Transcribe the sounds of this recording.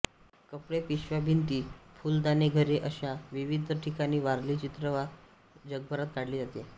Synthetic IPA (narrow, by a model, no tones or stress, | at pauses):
kəpɽepiɕʋabʱint̪iːfuːld̪aneɡʱəɾeʔəɕaʋiʋid̪ʱəʈʰikañiːʋaɾliːt͡ɕit̪ɾəʋa | d͡ʑəɡ̚bʱəɾat̪̚kaɽliːd͡zat̪e